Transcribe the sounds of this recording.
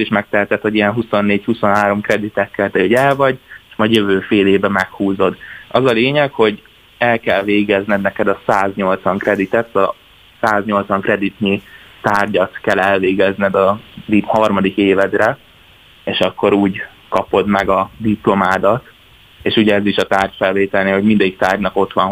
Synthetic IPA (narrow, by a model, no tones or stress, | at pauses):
t̪iʃmɛk̚t̪ɛɦɛt̪ɛt̪hoijɛnɦusonːeːchuso̞nɦaːɾo̞mkrɛd̪it̪ɛkːɛlt̪ɛoɟɛlvɒɟeʃmɒjøvøːfeːleːbɛmɛkhuːzo̞d̪ɒzɒleːɲɛkho̞ɟ | ɛlkɛlveːɡɛznɛd̪nɛkɛd̪ɒsaːzɲo̞lt̪sʋɒŋkrɛd̪it̪ɛt̪ːɒ | saːzɲo̞lt̪sʋɒŋkrɛd̪it̪ɲit̪aːrɟɒt̪kɛlːɛlveːɡɛznɛd̪ɒd̪ihɒrmɒd̪ikeːvɛd̪rɛ | eːʃɒkːo̞ɾuːɟ | kɒpo̞d̪mɛɡɒd̪iplo̞maːd̪ɒt̪ | eːʃuɟɛɛziʃɒt̪aːrcfɛlveːt̪ɛlneɦo̞ɟmind̪ɛik̚t̪aːrɟnɒko̞t̪ʋɒn